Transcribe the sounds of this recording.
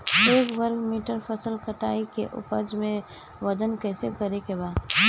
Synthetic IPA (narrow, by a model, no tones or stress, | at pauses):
eːkbəɾɡmiːʈəɾpʰəsəlkəʈaːikḛʔʊ̰pəd͡ʒmẽ | ʋəd̪ənkɛːsekəɾekebaːd̪